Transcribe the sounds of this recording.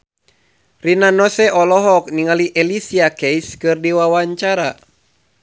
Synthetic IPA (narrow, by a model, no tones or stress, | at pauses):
rinanɔsɛʔɔlɔɦɔk̚niŋaliʔɛlisiakɛjskɨrdiwawaɲt͡ʃaɾa